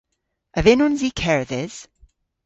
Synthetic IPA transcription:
əvɪnɔnziːkʰɛɹəðɪz̥

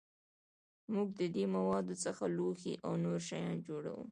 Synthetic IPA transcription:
muɡ̚d̪əd̪emawɑd̪ot͡səxaloxiʔawnoɾʃajɑnd͡ʒoɽa̰wṵ

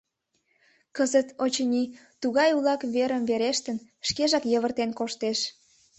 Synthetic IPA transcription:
kəzət̪ot͡ɕənʲi | t̪uɣɑjulɑkβeɾəmβeɾeʃt̪ən | ʃkeʒɑkjəβərt̪enkoʃt̪eʃ

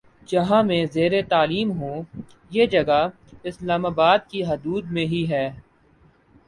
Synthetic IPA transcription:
d͡ʒɐɦãmẽzeːɾet̪aːliːmɦõː | jeːd͡ʒɐɡa | ɪslaːmaːbaːd̪̚kiɦɐd̪uːd̪mẽɦiɦɛː

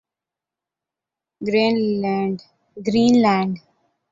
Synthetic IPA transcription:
ɡɾeːnːɳɖ | ɡɾiːnlɛ̃ːɳɖ

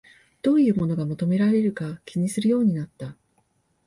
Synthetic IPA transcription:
d̪̥o̞ːjɯ̟ːmo̞no̞ɡamot̪o̞me̞ɾaɾe̞ɾɯ̟kakʲiɲ̟isɨɾɯ̟jo̞ːɲ̟inat̪ːa

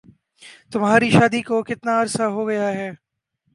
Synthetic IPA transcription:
t̪ʊmɦaːɾiʃaːd̪ikokɪt̪naɐɾsaɦoɡɐjaɦɛː

